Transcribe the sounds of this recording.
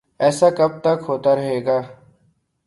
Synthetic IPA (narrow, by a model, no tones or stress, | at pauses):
ɛːsakɐb̚t̪ɐkɦoːt̪aɾəɦeːɡaː